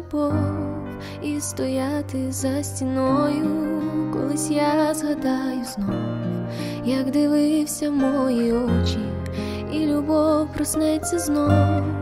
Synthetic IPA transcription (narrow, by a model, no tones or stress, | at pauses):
bɔw | ist̪ɔjat̪ɪzɐsʲtʲinɔjʊkɔ̰lˠɪsʲjazɦɐd̪ajʊznɔw | jɐkd̪ɪʋɪwsʲɐmɔjiɔt͡ʃi | ilʲubɔwpɾɔsnɛt͡sʲːɐznɔʋʊ